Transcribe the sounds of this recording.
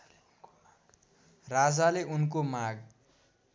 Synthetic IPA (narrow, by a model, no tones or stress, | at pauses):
rad͡zaleʔunkomaɡ